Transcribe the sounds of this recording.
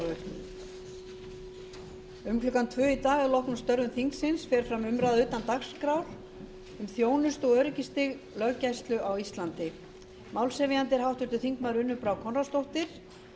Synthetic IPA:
ʏ | ʏmkʰlʏkant̪ʰvœːit̪aːɣɛɾlɔhknʏmst̪œɾðʏmθiŋksɪnsfɛːɾ̥fɾamʏmɾaðʏːt̪ant̪axskɾawɾ̥ | ʏmθjoːwnʏst̪ɔɣœɾɪcɪst̪ɪɣ | lœɣcajst̪lʏʔawist̪lant̪ɪ | mawlsɛvɪjant̪ɪɾ̥ɦawht̪vʏɾt̪ʏθiŋkmaɾʏnːʏpɾawkʰɔnrast̪owht̪ɪɾ̥

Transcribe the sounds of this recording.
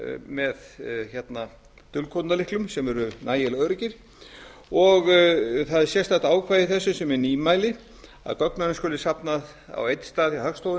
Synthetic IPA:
mɛðçɛt̪na | t̪ʏlkʰot̪nalɪhklʏmsɛmɛɾʏnaːjɛlœɾcɪɾ̥ | ɔɣθaðɛɾsjɛst̪aht̪aːwkʰvaːjðɪθɛsːʏsɛmɛɾniːmaːjlɪ | a̰ðkœknmɛnːʏskʏːlɪ̥sapnað | a̰wejt̪st̪aːðjawhœkst̪owðɪ

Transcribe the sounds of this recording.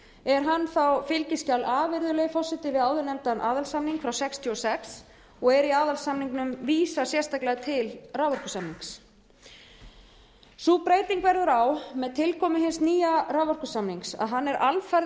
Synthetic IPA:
ɛɾ̥ɦanːθawfɪlcɪscawlʔaːvɪɾðʏleɣfɔsɪt̪ɪvɪðaːwðʏnɛmt̪anʔaːðalsamniŋkfɾawsɛkst̪ʰjuɔsɛks | ɔɣɛɾiaːðalsamniŋknʏmviːsasjɛr̥st̪aklɛɣat̪ʰɪlraːwvœɾrkʏsamniŋks | suːpɾeːjt̪iŋkvɛɾðʏɾawmɛðt̪ʰɪlkʰɔmʏɦɪnsniːjaraːwvɔr̥kʏsamniŋksa̰ðɦanːɛɾʔalfaɾ

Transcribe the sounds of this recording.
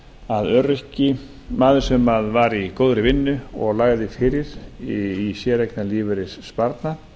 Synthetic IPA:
aðœɾɛhcɪ | maːðɪsœmaðvaɾikoːwðɾɪvɪnːʏɔɣlaɣðɪfɪːɾɪɾ̥ | isjɛɾejknaliːvʏɾɪsspaɾt̪na

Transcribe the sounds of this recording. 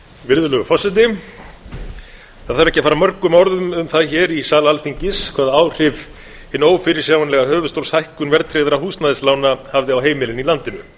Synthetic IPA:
vɪɾðʏlœɣʏfɔsɪt̪ɪ | θaðθaɾɛhcɪafaːɾamœɾkʏmɔɾðʏmʏmθaðçɛːɾisaːlaalθiɲcɪskʰvaːðaaːwr̥ɪv | hɪnoːwfɪɾɪɾ̥sjawanlɛɣahœːvʏst̪owshajhkʏnvɛɾt̪ʰɾeɣðɪɾahuːst̪naðɪslaːwnahavðɪawɦeːjmɪlɪnilant̪ɪnʏ

